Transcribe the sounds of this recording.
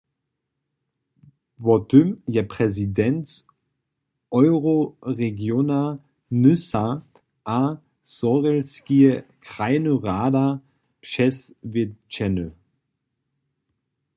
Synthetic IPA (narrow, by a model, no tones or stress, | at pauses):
vɔtʰʏmjɛpʁ̥ɛzidɛnt͡s | ʔɔʏʁoʁeɡjona | nʏsa | ʔa | zɔʁɛlskiəkʁ̥aɪnoʁaːdɐ | ʃɛsvɪt͡ʃɛnə